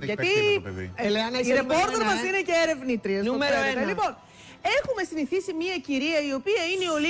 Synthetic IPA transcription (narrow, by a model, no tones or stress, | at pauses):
ʝɐt̪i | eleɐneiɾepo̞ɾt̪e̞ɾmɐsine̞ceeɾe̞vnit̪ɾiɐsnuoeɾoenɐlipo̞n | e̞xume̞siniθisimɲiɐciɾiɐio̞piɐineo̞li